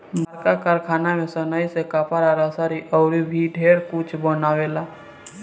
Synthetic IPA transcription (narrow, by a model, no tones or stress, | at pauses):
bəɾkakaɾkʰaːnamẽsənaːisekaːpʰaɾaɾasaːɾiʔɔʊɾibʱiɖʱeːɾkʊt͡ʃʰbonaːʋeːlaː